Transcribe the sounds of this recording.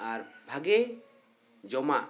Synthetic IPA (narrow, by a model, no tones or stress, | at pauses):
aɾbʱaɡɛ | d͡ʒɔmaʔ